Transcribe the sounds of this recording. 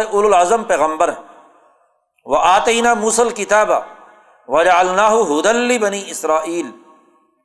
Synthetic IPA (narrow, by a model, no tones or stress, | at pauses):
eʔʊlʊlʕazɐmpɛːɣɐmbɐɾ | wɐʔaːt̪ɐjnaːmuːsɐlkɪt̪aːba | wɐd͡ʒɐʕalnaːɦʊɦʊd̪ɐlːibɐniːʔɪsɾaːʔiːl